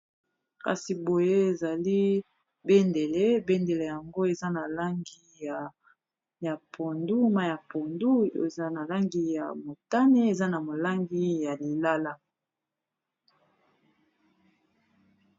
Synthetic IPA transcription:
ka̰˨si˨bo˨je˦e˨za˨li˦ | be˦nde˨le˦be˦nde˨le˨ja˨ŋɡo˦e˨za˦na˨la˦ŋɡi˦ja˨ | ja˨pʰo˨ndu˦ma˦ja˨po˨ndṵ˦˨za˦na˨la˦ŋɡi˦ja̰˨mo˨ta˦ne˦e˨za˦na˨mo˨la˦ŋɡi˦ja˨li˨la˦la˦

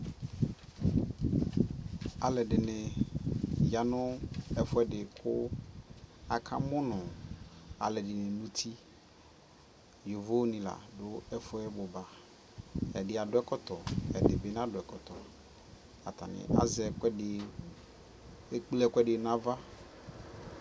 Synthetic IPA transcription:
a˨lɛ˨ɖɪ˨nɪ̃˨ | ja˨nʊ̃˦ɛ˨fʊ˦ɛ˦ɖɪ˨kʰʊ˦ | a˨kʰã̰˦mʊ̃˦nʊ̃˨ | a̰˨lɛ˨dɪ˨nɪ̃˨nũ˦t̪ʰi˦ | jo˨vo˦nĩ˨la̰˨dʊ˦ɛ˦fʊ˦ɛ˦bo˨ba˨ | ɛ˨dɪ˨a˨dʊ˦ɛ˦kɔ˦t̪ɔ˨ɛ̰˨dɪ˨be˦n˦ã˦dʊ˨ɛ˨kɔ˨t̪ɔ˨ | a̰˨t̪a̰˨nɪ̰̃˨ʔa̰˨zɛ˨˦˨ | k͡plɛ˦kʷɛ˦ɖɪ˨nã˦va˦

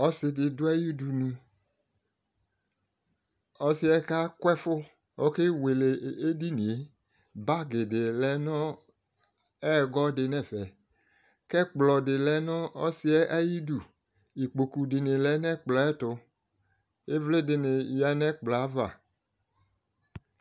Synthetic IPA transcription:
ɔ˦sɪ˨dɪ˨dʊ˦ɛ˦ji˦du˨nũ˨ | ɔ˦sɪ˦ɛ˦ka˦kwɛ˦fʊ˦ | o˦ke˦we˨le˨e˦di˦nĩ˨e˦ | ba˦ɡɪ˨dɪ˨lɛ˦nɔ˦ | ɛ˦˨ɡɔ˦dɪ˨nɛ˦˨vɛ˨ | kɛ˦k͡plɔ˨dɪ˨lɛ˨˦nɔ̃˦ɔ˦si˦ɛ˦ʔa˦ji˦du˨ | i˨k͡po˨ku˨dɪ˨nɪ˨lɛ˨˦nɛ̃˦k͡plɔ˨˦ɛ˦tʊ˧ | e˦vle˦dɪ˨nɪ˨ja˨nɛ˦k͡plɔ˨a˨˦va̰˨

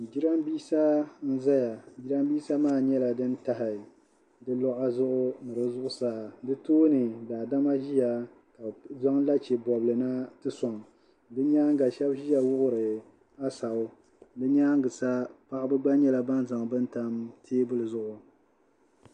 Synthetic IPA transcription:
d͡ʒi˦ɾa˦mbiː˦sa˦n̩˦za˦ja˨d͡ʒi˦ɾa˦mbiː˦sa˦maː˦˨ɲɛ˦la˨dɨ˦n˦ta˦ɦɪ˨ | dɨ˦lɔ˦ʔa˦zʊ˦ʔʊ˦nɨ˨ɾɨ˦zʊ˦ʔʊ˦sa˨dɨ˦toː˦nɨ˨daː˨da˦ma˦ʒi˦ja˨ | ka˨za˦ŋla˦t͡ʃɛ˨bɔ˨blɨ˨na˦tɨ˦sɔ˨ŋ˨ | dɨ˦ɲaː˦ŋɡa˨ʃɛ˦bʒi˦ja˨wʊ˦ʔʊ˦ɾɨ˨ | a˦sa˨ʊ˦ | dɨ˦ɲaː˦ŋɡɨ˨sa˦pa˦ʔa˦bɨ˦ɡ͡ba˦ɲɛ˦la˨ba˦nza˨ŋbɨ˦n˦ta˦mtʰeː˦bʊ˦lɨ˨zʊ˦˨ʔʊ˨

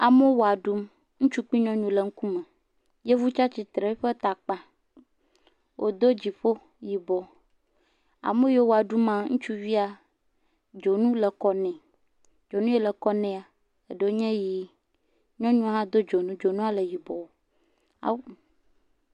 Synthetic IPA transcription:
a˨me˦wo˨a˨ɖu˦m | ŋũ˦t͡ʃu˦k͡pi˦ɲɔ̃˦ɲũ˦lə˨ŋ̩˦ku˦mɛ˨ | je˦vu˦t͡ʃa˦t͡ɕi˨t̪ɾe˨˦ɸe˦t̪a˨k͡pa˨ | wʔo̰˨d̪o˦d͡ʑi˨ɸo˦ | ji˨bɔ˨ | a̰˨me˦je˦wo˨a˨ɖu˦mã˨ŋũ˦t͡ʃu˦vi˦a˨ | d͡ʒo˨nũ˦le˨kɔ˨nɛ̃˨ | d͡ʒo˨nũ˦je˦lə˨kɔ˦nɛ̃˦a˨ | e˨ɖe˦o˦ɲɛ̃˦ji˨˦ | ɲɔ̃˦ɲũ˦ɦã˦d̪o˦d͡ʒo˨nũ˦d͡ʒo˨nũ˦a˨le˨ji˨bɔ˨wo˦ | a̰˨w

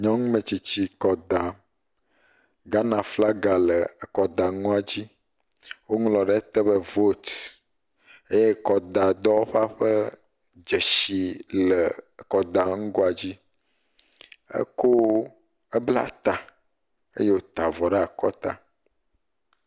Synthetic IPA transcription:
ɲɔ̃˦ŋũ˦mə̃˨t͡ɕi˨t͡ɕi˦kɔ˨d̪a˨ | ɡa˦nã˨fla˦ɡa˨lə˨kɔ˨d̪a˨ŋɔ̃˦a˨d͡ʑi˦ | wo˦ŋlɔ̃˨ɖɛ˦t̪ə˦bə˦vo˦t̪ | e˦je˦kɔ˨d̪a˨d̪ɔ˦wo˦ɸa˦ɸə˦ | d͡ʒə˨ʃi˨lə˨kɔ˨d̪a˨ŋũ˦ɡo˦a˨d͡ʑi˦ | ə̰˦ko˦ | ə˦bla̰˦t̪a˨ | ḛ˦je˦wo˦t̪a˨vɔ˨ɖa˨kɔ˦t̪a̰˦

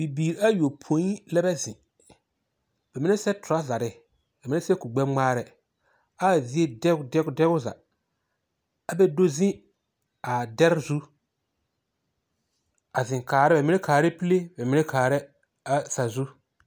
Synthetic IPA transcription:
b̥i˨biː˨ɾa˦jo˨pʰo˨˦i˦lɛ˦bɛ˦zɪ̰̃˨ | b̥ɛ˨mɪ˦nɛ˦sɛ˦tʊ˨ɾa˦za˨ɾɪ˦ | bɛ˨mɪ˦nɛ˦sɛ˦ku˨ɡ͡bɛ˦ŋ͡maː˦ɾɛ˦ | a˦˨zi˦e˦dɛ˦dɛ˦ɡdɛ˦ɣʊ˦za̰˨ | a˨bɛ˦do˦zɪ̃˦ | a˨dɛ˦ɾzu˦ | a˨zɪ̃˨ŋkaː˨ɾɪ˦bɛ˨mɪ˦nɛ˦kaː˨ɾɛ˦pi˦le˦bɛ˨mɪ˦nɛ˦kʰaː˨ɾɛ˦ | a˨sa˨zu˦

